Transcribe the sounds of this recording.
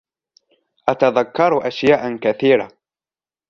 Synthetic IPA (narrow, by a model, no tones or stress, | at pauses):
ʔat̪aðakːɑɾˤʔaʃjaːʔkaθiːɾa̰